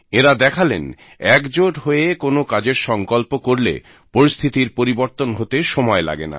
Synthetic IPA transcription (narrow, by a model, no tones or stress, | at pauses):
eɾad̪ɛkʰalḛn | ɛkd͡ʑoʈɦoekonokad͡ʑeɾʃɔŋkɔlpokoɾlḛ | poɾist̪ʰit̪iɾpoɾiboɾt̪onɦot̪eʃɔmɔela̰ɡena̰